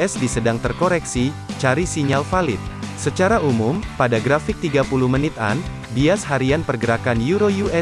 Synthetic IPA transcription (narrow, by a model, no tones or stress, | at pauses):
ɛsdisədaŋt̪ərkoɾɛksit͡ʃaɾisiɲalfalɪt̪̚sət͡ʃaɾaʔumumpadaɡɾafɪk̚t̪iɡapuluhmənɪt̪a̰n | biasɦaɾianpərɡəɾakanjuɾojuʔɛ